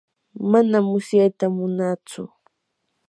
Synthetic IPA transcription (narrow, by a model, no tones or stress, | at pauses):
manamːʊsjajt̪amʊnat͡sʊ̰